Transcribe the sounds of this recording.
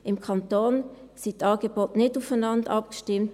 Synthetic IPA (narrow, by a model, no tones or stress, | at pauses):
ʔɪmkʰɑnt̪oːn | sitɑɡ̥eboːtnɪtufanɑndəʔɑpɡ̥ə̥ʃtɪmt